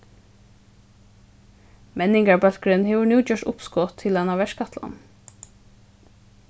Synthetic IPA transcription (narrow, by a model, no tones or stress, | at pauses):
mɛnɪŋɡɑɹbœlɡɹʏnhɛːʋʊnuːt͡ʃœːʈʊpskoːt̪ʰɪlɑnɑːʋɛʃkɑt̪ʰlɑ̰n